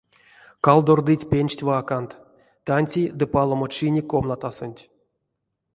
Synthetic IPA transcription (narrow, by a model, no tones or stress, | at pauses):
kalˠd̪ord̪ɨtʲpʲenʲt͡ʃtʲvakant̪ | t̪anʲtʲid̪ɨpalˠomot͡ʃinʲikomnat̪asonʲtʲ